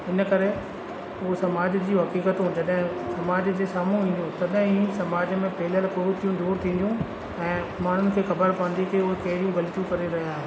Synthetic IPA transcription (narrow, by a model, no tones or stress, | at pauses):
ɦɪnə̆kɐɾe | ʊsɐmaːd͡ʑd͡ʑiːɦɐkiːkət̪ũd͡ʑɐɗɦɪ̃sɐmaːd͡ʑd͡ʑeːsaːmũĩːnd̪jũt̪ɐɗɦɪ̃ĩsɐmaːd͡ʑmẽpɐɦɪləlpʊɾut̪ʰijũd̪uːɾt̪ʰĩːnd̪jũ | ɛ̃ː | maːɳ̤ʊnɪ̆kʰeːxɐbəɾpɐʋə̃n̆d̪ikeʊɦekɐɦɪɾijũɡɐlt̪ijũkɐɾeɾɐɦijaːɦe